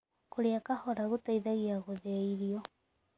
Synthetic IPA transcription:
koɾeakahɔɾaɣotaiðaɣiaɣoðɛiɾiɔ

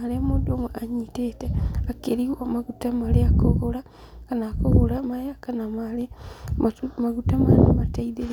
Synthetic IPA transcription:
aleamodomeʔaɲiteteakeɾiwomaɣutamaleakoɣola | kanakoɣolamaɾeakanamale | maɣutamaleamataiðe

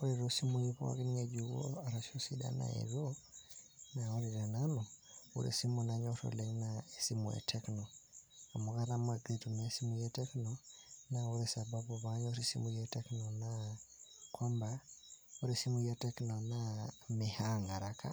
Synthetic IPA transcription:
uɾiɾosimuipo̰a̰kenieɟuɣo̰aɾaʃosiɗa̰na̰ḛβjo | nauɾiɾenanoṵɾḛsimunaɲoɾo̰lenaesimuḛtʰeknoamukaɾamaɡetumasimujɛteknonauɾesababuβaɲoɾisḭmujeteknona | kwambauɾisimujateknonamehaŋaɾakʰa̰

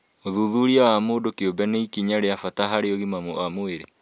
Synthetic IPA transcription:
oðuðuɾiawamoːdokeobɛneikiɲaɾeafataɦaɾeoɣimamoamoeɾe

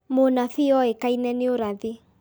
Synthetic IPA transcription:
monafiɔekainɛneoɾaði

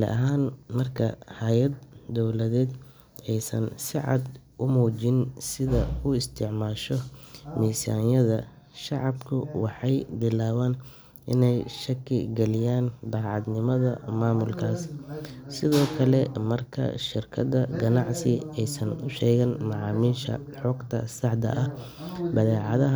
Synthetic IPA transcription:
lɛ̰ʔɐɦaːnmɐrkʰɐhaːjɐd̪ːɔwlɐðɛːd̪ | ɛjsɐnsɪʕɑ̰d̪ | ʔʊmuːt͡ʃɪnsɪðɐʊɪst̪ʰɪʕmaːʃɔmiːsa̰ːnjɐðɐ | ʃɑʕɑbkʰʊwɑħɑjbɪlaːwaːn | ʔɪnɛjʃɐkʰɪɡɛlɪjaːnd̪ɑːʕɑd̪nɪmɐðɐmaːmʊlkʰaːssɪðɔːkʰɐlɛmɐrkʰɐ̰ʃɪrkʰɐd̪ɐɡɐnɑʕsɪɛjsɐnʊʃɛːɣɐnmɑʕɑːmiːʃɐ̰ | ħɔɡt̪ʰɐsɑħd̪ɐ̰ʔɐ | bɐðɛːʕɑðɐɦ

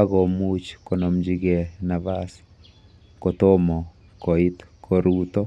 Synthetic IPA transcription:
akomut͡ʃkonɔmd͡ʒiɡɛnaβas | kotomɔ | koitkʰoɾuːtɔ

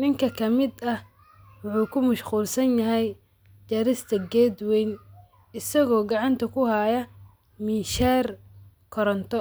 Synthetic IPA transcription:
nɪŋkʰɐkʰɐmɪd̪ɐh | wʊħuːkʰʊmɐʃquːlsɐnjɐɦɛj | t͡ʃɐɾɪst̪ʰɐɡɛːd̪wɛjn | ɪsɐɣɔːɡɑʕɑnt̪ʰɐkʰʊhaːjɐ | mɪʃaːr | kʰɔɾɔnt̪ʰɔ

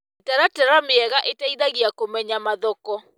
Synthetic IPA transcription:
etɛɾatɛɾamɪɛɣaʔetaiðaɣiakomɛɲamaðɔkɔ

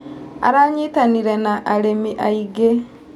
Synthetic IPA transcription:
a̰ɾaɲitaniɾenaʔːɾemiʔaiɡe

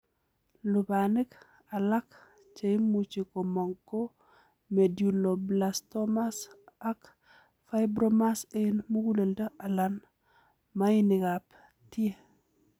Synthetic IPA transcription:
lubanik | alak | t͡ʃeimut͡ʃikomoŋko | medjulːoblastomasak | fajbɾomasenmuɡuleldaʔalan | majiniɡap | ti

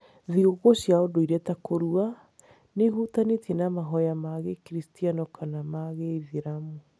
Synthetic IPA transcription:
ðiɣoɣoɕjaodoiɾɛtakoɾua | nehutanetʰinamaɦɔjamaɣekɾistianɔkʰanamaɣeiðiɾamu

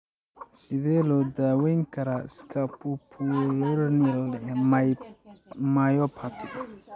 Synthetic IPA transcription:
siðɛlɔd̪awejŋkaɾaskʰapupʰuɾnilɛ | majɔpʰat̪ʰi

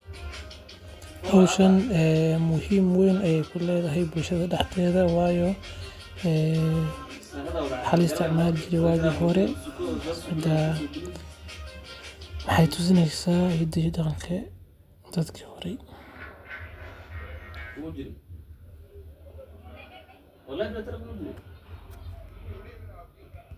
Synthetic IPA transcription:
bʊlʃɐnɛːmʊhiːmwɛjnɐjɛjkʰʊlɛːðɐɦɛjbʊlʃɐðɐɖɑħt̪ʰɛːðɐwɑːjɔ | ɛː | ħɑlɪst̪ʰɪʕmaːld͡ʒɪɾɛwaːɣiːɦɔɾɛ | hɐd̪a | mɑħɑjt̪ʰʊs̬ɪnɛjsaːhɪd̪iɖɑqɑŋkʰɐ | d̪̥ɐd̪kʰi̥hɔɾɛ

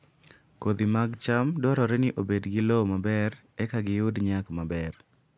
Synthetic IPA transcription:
kod̪imaɡt͡ʃamdɔɾɔɾɛnɪʔobedɡɪlowmabɛɾ | ɛkaɡɪjʊdɲakmabɛr

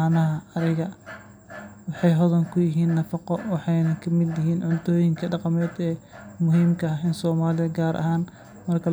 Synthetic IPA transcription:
nɐɦɐɐɾɪɣɐ | wɑħɑjɦɔðɐŋkʰʊjɪɦiːnːɐfɑqɔwɑħɑjnɐkʰɐmɪd̪jɪɦiːnʕʊnt̪ʰɔːjɪŋkʰɐɖɑqɑmɛːd̪ɛːmʊɦiːmkʰɐɪnsɔːmaːlɪɐɡaːɾʔɐ̰ɦaːn | mɐrkʰɐ

